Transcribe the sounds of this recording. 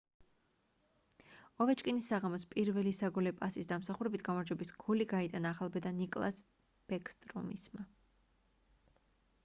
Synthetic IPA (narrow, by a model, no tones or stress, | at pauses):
ɔvɛt͡ʃʼkʼinisːaʁamɔspʼiɾvɛlisaɡɔlɛpʼasisd̪amsaχuɾɛbit̪ʰɡ̥amaɾd͡ʒwɛbisɡuliɡait̪ʼanaːχalˠbɛd̪anikʼlˠa̰s | b̥ɛkʰʼst̪ʼɾɔ̰mḭsma